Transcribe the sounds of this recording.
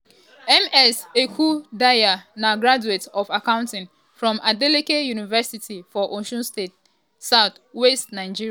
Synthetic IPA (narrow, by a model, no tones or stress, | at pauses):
ɛmɛsekʰudajanaɡɹad͡ʒuetɔfakãʊ̃ntɪ̃n | fɹɔ̃mʔadɛlikejunivɛsitʰifɔʔoʃɔ̃nstet̚ | saʊθ | wɛstnaɪd͡ʒiɹia